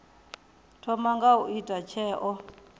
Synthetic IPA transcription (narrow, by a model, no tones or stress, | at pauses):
tʰɔmaŋɡauʔitʼat͡ʃʰɛːʔɔ